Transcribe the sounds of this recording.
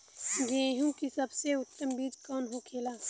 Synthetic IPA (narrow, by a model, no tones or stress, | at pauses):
ɡẽːɦũkisɐbseʊt̪ːəmbiːd͡ʒkɔːnɦokʰeːlaː